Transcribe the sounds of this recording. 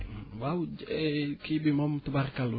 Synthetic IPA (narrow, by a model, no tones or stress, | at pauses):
waud͡ʒekibimamt̪əbarkalu